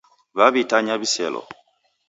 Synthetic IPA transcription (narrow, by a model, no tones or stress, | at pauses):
βaβitaɲaβiselo̰